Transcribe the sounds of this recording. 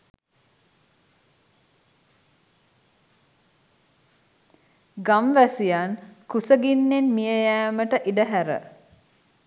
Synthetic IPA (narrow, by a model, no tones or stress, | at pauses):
ɡamʋæsijankusəɡinːenmijəjæːməʈəʔiɖəɦæɾə̰